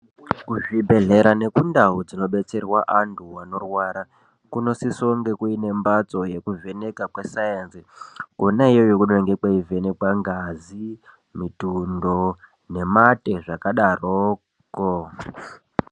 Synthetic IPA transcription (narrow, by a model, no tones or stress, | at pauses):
kuʐibʱe̞ɮe̞ɾane̞kundaud͡zino̞ɓe̞t͡se̞rwaʔantʰuwano̞rwaɾa | kuno̞sisoŋɡekuine̞mbat͡so̞je̞kuve̞ne̞kakwe̞sajensikonaijojokuɗŋɡekwaivenekwaŋɡazi | mitundo | ne̞mate̞ʐakaɗaroː | ko